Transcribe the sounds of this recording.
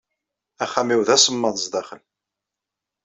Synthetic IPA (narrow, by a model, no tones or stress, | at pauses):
æχæmiwðæsəmːənzd̪ɑχəl